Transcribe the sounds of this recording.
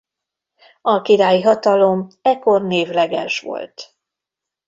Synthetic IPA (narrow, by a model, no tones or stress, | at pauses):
ɒkiɾaːjiɦɒt̪ɒlo̞mɛkːo̞rneːvlɛɡɛ̰ʃʋo̰lt̪